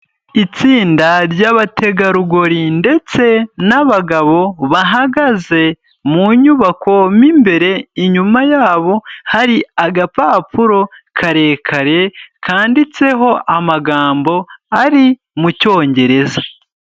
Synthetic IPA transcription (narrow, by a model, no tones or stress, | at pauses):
it͡siːndaɾɟaβate̞ɡaɾuɡo̞ɾinde̞t͡se̞naβaɡaβo̞βaɦaɡaze̞ | muɲuβako̞mimbe̞ɾe̞iɲumajaːβo̞haɾiaɡapaːpuɾo̞kʰaɾe̞ːkʰaɾe̞kʰaːndit͡se̞ɦo̞ʔamaɡaːmbo̞aɾi | muco̞ːɲɟe̞ɾe̞za